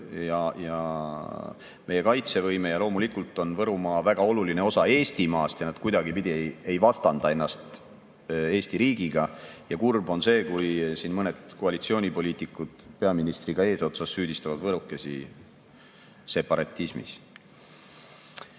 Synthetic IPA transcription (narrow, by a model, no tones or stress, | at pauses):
jɑjɑ | mʔe̞jekɑjt̪se̞vɤjme̞jɑlo̞ːmulikult̪ːˑo̞nvɤɾumɑːvæɡ̥ɑo̞luline̞o̞sɑe̞ːst̪imɑːst̪jɑnɑd̥̪kujd̪ɑɡipid̪̥ʲiee̞jvɑst̪ɑnd̪̥ɑe̞nːɑst̪ | e̞ːst̪iɾiːɡ̥iɡ̥ɑjɑkurbo̞nse̞ːkujsiːnmɤned̪̥koɑlit̪sio̞ːnʲipo̞liːt̪ˑikːˑud̪̥pe̞ɑminist̪riɡ̥ɑe̞ːso̞t̪sɑsːyːd̪̥ist̪ɑvɑd̪vɤɾukːˑe̞si | se̞pɑɾɑt̪ʲːˑismḭs